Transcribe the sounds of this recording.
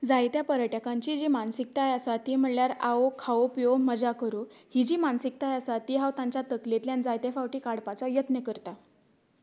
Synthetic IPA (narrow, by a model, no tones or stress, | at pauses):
d͡zajt̪japəɾəʈjakãɲt͡ɕid͡ʑimansik̚t̪ajasat̪im̤əɳljaɾaokʰaopijoməd͡zakəɾuhid͡ʑiːmansik̚t̪ajasat̪iɦawt̪ãɲt͡ɕat̪əklet̪ljand͡zajt̪efawʈiːkaɽpat͡sɔjət̪nəkəɾt̪a